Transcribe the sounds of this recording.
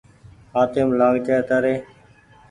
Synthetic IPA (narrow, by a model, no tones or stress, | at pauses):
aːt̪eːmlãːɡt͡ʃəːt̪əɾeː